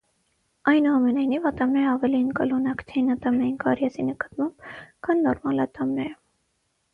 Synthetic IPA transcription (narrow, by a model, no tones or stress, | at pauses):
ɑjnuɑmɛnɑjnivɑt̪ɑmnɛɾɑvɛliənkɑlunɑkt̪ʰinɑt̪ɑmnɑjinkɑɾjɛsinəkɑ̥t̪mɑmb̥kʰɑnːɔɾmɑlɑt̪ɑmnɛɾə